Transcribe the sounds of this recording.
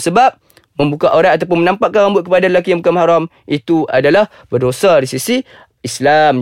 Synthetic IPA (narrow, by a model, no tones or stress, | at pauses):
səbap̚ | mə̃mbukaʔoɾaŋat̪̬ap̬ʊnmənampaʔkːanɣambʊt̪̚kəpadaɾəlak̬iamukamhaɾam | it̪uadalah | bərdosaɾisisi | islam